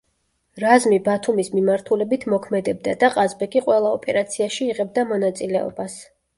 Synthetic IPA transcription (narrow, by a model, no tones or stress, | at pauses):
ɾazmibat̪ʰumismimaɾt̪ʰulɛbit̪ʰmɔkʰmɛd̪ɛb̚d̪ad̪aqʼazbɛkʼiqʼwɛlˠaɔpʼɛɾat̪sʰiaʃiːʁɛb̚d̪amɔnat̪sʼilɛɔ̰bas